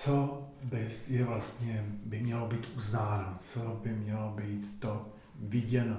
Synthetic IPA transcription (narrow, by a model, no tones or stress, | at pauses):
t͡so | bɪjɛvlast̪ɲɛbɪmɲɛlobiːt̪ʔuznaːnot͡sobɪmɲɛlobiːt̪ːo | vɪɟɛno